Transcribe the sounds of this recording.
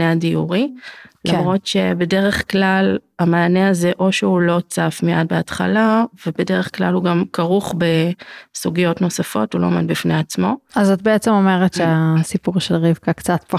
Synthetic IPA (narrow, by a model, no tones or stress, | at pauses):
eadiuʁilamʁo̞tʃe̞be̞de̞ʁe̞χklalamaːneaze̞ʔo̞ʃeulo̞t͡safmeʔa̰d̚beatχa̰lave̞be̞de̞ʁeχkla̰luɡamkaʁuχbe̞suɡijo̞tno̞safo̞̰tulo̞̰medbifneat͡smo̞azat̚beet͡semo̞meʁetʃeasipuʁʃelʁivkakt͡satpa